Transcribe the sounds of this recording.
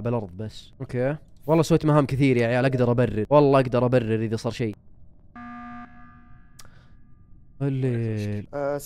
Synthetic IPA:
bɪlʔɑɾˤðˤbasːʔokeːwɑlˤːɑːsweːt̪maɦaːmkɪθiːɾjaʕjaːlʔaɡd̪ɑɾˤʔabarːɪɾwɑlˤːɑːʔaɡd̪ɑɾˤʔabarːɪɾʔɪðasˤɑːɾˤʃeː | le

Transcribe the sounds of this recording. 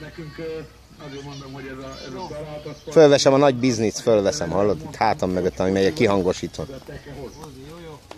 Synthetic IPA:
følvɛʃɛmɒnɒɟbiznisfølvɛsɛmhɒlːod̪it̪haːt̪ɒmːøɡøt̪ːɒmimɛjɛkiɦɒŋɡo̞ʃiːt̪o̞n

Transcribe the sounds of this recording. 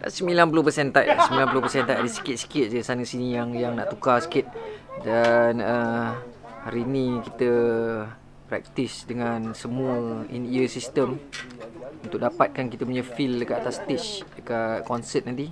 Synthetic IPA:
la̰səmilanp̬uluhpəsɛnt̪ajʔla̰səmbilanpulʊhpəsɛnt̪ajʔadəsi̥kɪt̪̚si̥kɪt̪̚d͡ʒəsanəsinijaŋjaŋnaʔt̪ukasi̥kɪt̪̚danə | haɾinikit̪ə | pɾɛ̰k̚t̪isdəŋansəmuəḭniəsist̪əm | unt̪ʊk̚dapat̪̚kankit̪əpuɲəfildəkat̪at̪ast̪it͡ʃdəkatkɔnsət̪̚nãnt̪i

